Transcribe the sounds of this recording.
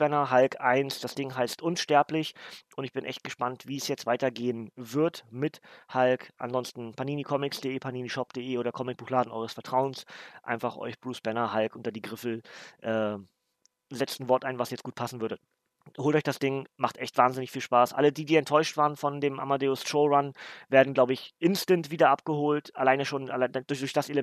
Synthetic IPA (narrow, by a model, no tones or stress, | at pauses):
b̥ɛnɐɦalkʰʔaɪnsd̥asd̥ɪŋɦaɪstʔʊnʃtɛɐplɪçʔʊntɪçb̥ɪnʔɛ̰çt̚ɡ̥əʃpantv̥iːsjɛt͡stv̥aɪtɐɡeːənvɪɐtmɪthalkʔa̰nzɔnstn̩pʰaɐniːnikʰɔmɪksd̥eʔeːpʰaniːniʃɔpd̥eʔeːoːɾɐkʰɔmɪk̚b̥uːxlaːdn̩ɔʏʁəsfɛɐtʁ̥aʊənsʔa̰ɪnfaχʔɔ̰ʏçb̥ʁuːsb̥ɛnɐɦalkʔʊntɐdiːɡʁɪfl̩ʔɛː | zɛt͡stn̩vɔɐtʔaɪnvasjɛt͡stɡ̥uːtpʰasn̩vʏɐdə | hoːltɔʏçd̥asd̥ɪŋmaχtʔɛçtv̥aːnzɪnɪçfiːlʃpaːsʔa̰lədiːdiːɛntʰːɔʏʃtv̥aːʁənfɔndeːmʔa̰madeːʊstoʊʁanveːɐdn̩ɡlaʊbəɪçʔɪnstəntv̥iːdɐʔapɡ̥əhoːltʔalaɪnəʃoːna̰laɪdʊçd̥ʊɐçd̥aselə